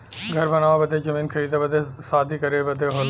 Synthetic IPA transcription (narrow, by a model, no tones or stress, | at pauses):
ɡʱɐɾbɐnaːʋabɐd̪ed͡ʒɐmiːnkʰɐɾiːd̪abɐd̪esaːd̪ʱikɐɾebɐd̪eɦoːl